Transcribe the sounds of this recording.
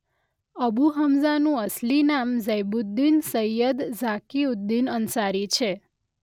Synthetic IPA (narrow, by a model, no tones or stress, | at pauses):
əbuɦəmzanũəslinamzəjbud̪ːinsəjəd̪zakiud̪ːinənsaɾit͡ʃʰe